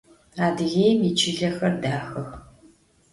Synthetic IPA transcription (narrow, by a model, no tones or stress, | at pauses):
aːdɨɣejmiːt͡ʃʰɪɮɐxɐrdaːxɐx